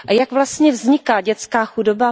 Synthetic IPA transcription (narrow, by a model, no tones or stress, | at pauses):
ʔajaɡvlast̪ɲɛvzɲɪkaːɟɛt͡skaːxudoba